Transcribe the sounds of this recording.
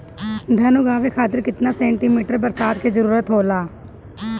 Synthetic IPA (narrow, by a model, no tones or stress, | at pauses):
d̪ʱɐnuɡaːʋekʰaːt̪ɪɾkɪt̪nasɛ̃ːɳʈiːmiːʈəɾbəɾsaːd̪kezəɾuːɾət̪ɦoːlaː